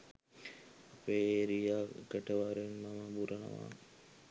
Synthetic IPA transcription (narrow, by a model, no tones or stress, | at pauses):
apeːɾijaɡəʈəʋaɾenmaməbuɾənə̰ʋa̰